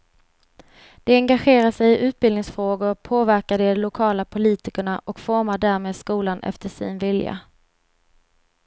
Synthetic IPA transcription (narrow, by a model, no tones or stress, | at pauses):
d̪̥ɛɛŋɡaɧeːɾaʂɛjɪʔʉ̟ːt̪̚bɪlnɪŋsfɾoːɡʊɾpʰoːvæɾkad̪ɛɔlʊkʰɑːlapʰʊliːt̪ɪkəɳaʔɔkfɔɾmaɖæːɾmeːd̪skuːlanʔɛ̰ft̪əʂɪ̰nvɪlja̰